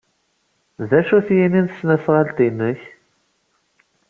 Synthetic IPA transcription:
ðæʃuθjininθsːnæsʁalt̪inːəç

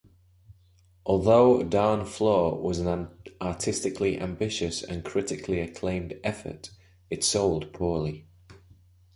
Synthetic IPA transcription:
ʔɔːlˠðoʊdãːnflɔːwɒzə̃nãɑtʰɪstɪkʰliʔã̰mbɪʃəsə̰̃nkʰɹ̥ɪtɪkʰliəkʰl̥ẽɪ̃mdɛfə̰t | ɪtsoʊlˠd̚pʰɔːlɪ

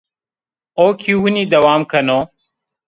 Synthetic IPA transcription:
oːkʰiuuniːd̪əwaːmkʰənoː

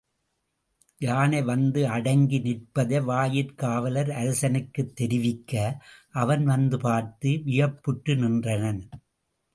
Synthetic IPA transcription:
jaːnɐʋɐnd̪ɯɐɽɐŋɡinɪrpɐðɐʋaːjɪɾkaːʋɐlɐɾɐɾɐsɐnɯkːɯt̪ːɛɾɪʋɪkːɐʔɐʋɐnʋɐnd̪ɯpaːɾt̪ɯʋɪjɐpːɯʈːɯnɪndrɐnɐn

